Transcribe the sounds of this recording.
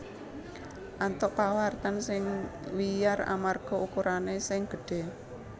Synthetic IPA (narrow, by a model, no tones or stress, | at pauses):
ʔant̪ɔʔpawart̪ansɪŋwijara̰marɡ̥ɔ̤ʔukuɾʔanesɪŋɡ̥ə̤ɖ̥e̤